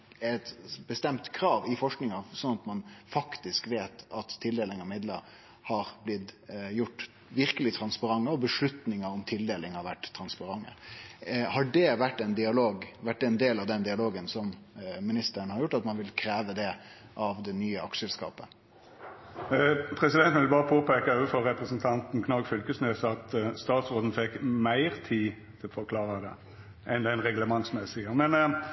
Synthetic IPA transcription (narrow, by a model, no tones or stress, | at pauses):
æt̪bəst̪ɛmt̪kʰɾɑːʋɪfɔʂknɪŋɑsɔnɑt̪mɑnfɑkt̪ɪskʋeːt̪ɑt̪ʰːɪld̪eːlɪŋɑʋmɪd̪ləɾ | hɑɾblɪt̪ːjʊʈː | ʋɪɾkəlɪt̪ʰɾɑnspɑɾɑŋːəɔbəʂɭʉt̪nɪŋəɔmt̪ʰɪld̪eːlɪŋhɑɾʋæʈːt̪ʰːɾɑnspɑɾɑŋːə̰ | hɑɖɛʋæʈːɛɪnd̪ɪɑloːɡʋæʈ̚ːd̪ɛɛnd̪eːlɑʋd̪ɛnd̪ɪɑloːɡənsɔmmɪnɪst̪əɾənhɑɾjʊʈːɑt̪mɑnʋɪlkʰɾeːʋəd̪ɛ | ʔɑʋd̪ɛnyːəɑkʂəɛlskɑ̰ːpə | pʰɾɛsɪd̪ɛnt̪nʋɪlbɑːʁəpʰoːpʰeːkɑøʋəfɔɾɛpɾəsnt̪ʰɑnt̪n̩kʰnɑɡfʏlkəsnøːsəɑt̪st̪ɑːt̪sʁoːd̪n̩fɛkːmæɪʁt̪ʰiː | t̪ʰɪlɔfɔɾkʰlɑːɾəd̪ɛ̰ | ʔɛnd̪ɛɪnʁɛɡləmɑŋsmæɪsɪəmɛn